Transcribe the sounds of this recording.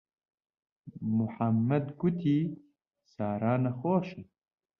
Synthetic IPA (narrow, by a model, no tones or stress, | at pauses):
muħamːɐd̪ɡut̪ʰiː | saːɾaːnɐxoːʃe